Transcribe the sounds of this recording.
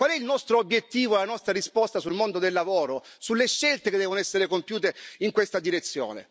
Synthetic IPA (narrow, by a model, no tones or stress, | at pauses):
kwalɛilnɔst̪ɾoobjet̪ːiːvolanɔst̪ɾaɾispɔst̪asulmond̪od̪elːavoːɾosulːeʃːɛlt̪eked̪ːɛːvonoɛsːeɾekompjuːt̪eiŋkwest̪ad̪iɾet̪sːjo̰ːnḛ